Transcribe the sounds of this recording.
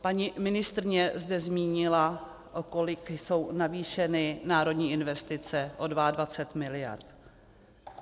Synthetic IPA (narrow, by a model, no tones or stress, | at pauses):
paɲimɪnɪst̪ɾɪɲɛzdɛzmiːɲɪla | ʔoko̞lɪkso̞wnaviːʃɛnɪnaːɾo̞dɲiːʔɪnvɛst̪ɪt͡sɛʔo̞dvaadvat͡sɛt̪mɪlɪja̰ɾt̪